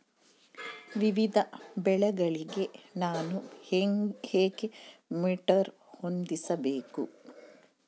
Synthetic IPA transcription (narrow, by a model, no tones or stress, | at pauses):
ʋiʋid̪ʱɐbɛɭɐɡɐɭiɡenaːnu | heːɡemiːʈɐɾ | ho̞nd̪isɐbeːku